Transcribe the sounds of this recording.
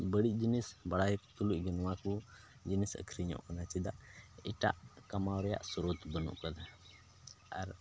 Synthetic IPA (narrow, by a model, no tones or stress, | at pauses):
bəɽiʔ̚d͡ʒinisbɐɽajɛkt̪uluʔɡənwaku | d͡ʒinisə̰kʰɾiɲɔ̰ʔkanat͡ʃid̪aʔḭʈa̰ʔkamawɾɛja̰ʔsuɾot̪bənṵʔkəd̪a | aɾ